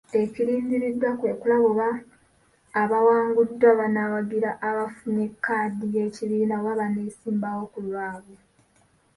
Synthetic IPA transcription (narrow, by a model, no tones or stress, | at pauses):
e̞ciɾiːndiɾidwakwe̞ːkulaβuβaː | βawaːŋɡudːwaβanawaɡiɾaʔːβafune̞kːaːdije̞ciβiːnawaβaneːsiːmbawo̞kulwaːβo